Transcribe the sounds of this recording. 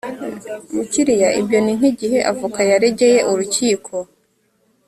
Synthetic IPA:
muciɾijaʔibjo̞nin̥iɟihe̞ʔavukajaɾeɟe̞je̞ʔuɾuciːkʰo̞

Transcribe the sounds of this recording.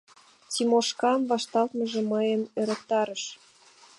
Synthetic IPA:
t͡simoʃkɑnvɑʃt̪ɑlt̪məʒĕməjəmøɾə̆k̚t̪ɑɾəʃ

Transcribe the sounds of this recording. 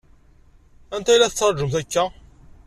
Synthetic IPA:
ænt̪æjlæθət͡sːəɾˤʒəmθækːæ

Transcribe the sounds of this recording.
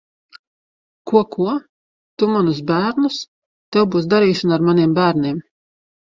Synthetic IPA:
kuɔkʰuɔ | t̪umanusbæːɾnus | t̪ɛwbuːsd̪aɾiːʃanaɾmaniɛmbæːɾniɛm

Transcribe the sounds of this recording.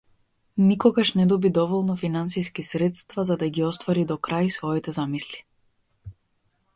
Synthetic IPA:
nikɔɡaʃnɛd̪ɔbid̪ɔvɔlˠnɔfinansijskisɾɛt̪st̪vazad̪aɡiɔst̪vaɾid̪ɔkɾajsvɔit̪ɛzamisli̥

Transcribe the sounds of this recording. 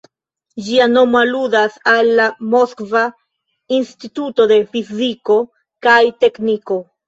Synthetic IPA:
d͡ʒiano̞maludasalːamoskva | inst̪it̪ut̪o̞d̪e̞fiziko̞ | kajt̪e̞kniko̞

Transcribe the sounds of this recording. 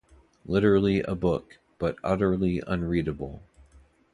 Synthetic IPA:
lɪɾə˞l̩ˠiʔə̰bʊk | b̥ʌɾʌɾə˞l̩ˠiʔə̰̃nɹiɾɨbl̩ˠ

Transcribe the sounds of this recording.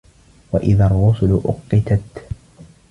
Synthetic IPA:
waʔɪðarˤːʊsʊlʊʔʊqːɪt̪at̪

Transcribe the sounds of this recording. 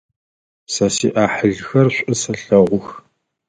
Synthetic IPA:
sɐsḭːʔaːħəɮxɐrɕʷʼɨsɐɬɐʁʷʊx

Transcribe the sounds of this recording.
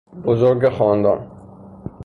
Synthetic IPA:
bozoɾɡexɒːnd̪ɒ̰ːn

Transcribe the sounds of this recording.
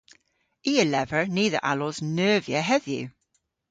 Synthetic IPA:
iːəlɛvə˞niːðə̰ʔa̰lɔznɜːviəɦɛðjʉ̰

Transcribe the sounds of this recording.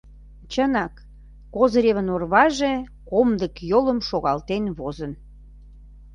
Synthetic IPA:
t͡ɕənɑkː | ozɾʲeβənorβɑʒe | komd̪əkjoləmʃoɣɑlt̪enβozən

